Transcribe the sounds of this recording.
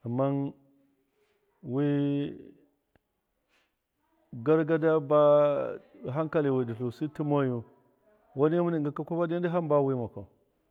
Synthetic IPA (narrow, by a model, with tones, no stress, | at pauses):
a˨mːa˦n | wi˦ | ɡa˦ɾɡa˦da˦ba˦˨ | ɦa˦ŋka˦li˨wi˨di˨ɬu˨si˦ti˦mo˦ju˦ | wa˦n˦mu˦ni˦˨ɡa˨ka˦ku˦ba˦di˦di˦ɦa˦mba˦wi˦ma˨ka˨